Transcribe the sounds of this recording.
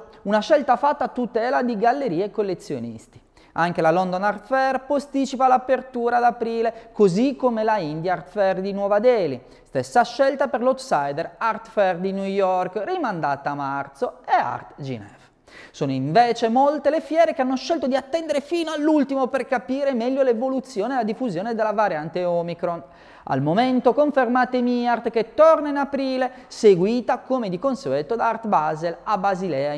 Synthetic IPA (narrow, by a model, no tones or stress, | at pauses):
unaʃɛlt̪afat̪ːat̪ut̪ɛːlad̪iɡalːeɾiːekːolːet̪sjo̰nḭst̪i̥ | aŋk̟elalɔnd̪onart̪fɛrpost̪it͡ʃipalapert̪uːɾad̪apɾiːlekozikːomelaind̪jaart̪fɛrd̪inwɔːvad̪ɛːli | st̪esːaʃɛlt̪aperlot̪sajd̪ɛɾart̪fɛrd̪inujɔrkrimand̪at̪amart̪soea̰rt̪d͡ʒḭnɛv | soːnoiɱvɛːt͡ʃemolt̪elefjɛːɾekeanːoʃɛlt̪od̪iat̪ːɛnd̪eɾefiːnoalːult̪imoperkapiːɾemɛʎːolevolut̪sːjɔːnelad̪ifuzjɔːned̪elavaɾjant̪eɔmikɾon | a̰lmomɛnt̪okoɱfermaːt̪emiart̪k̟et̪ːɔrnainapɾiːle | seɡwiːt̪akomed̪ikonseɡɛt̪ːod̪aart̪bazelabːazilɛːa